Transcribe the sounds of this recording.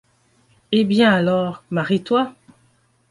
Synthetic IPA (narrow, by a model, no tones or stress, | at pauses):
ebjɛ̃alɔːʁmaʁit̪wa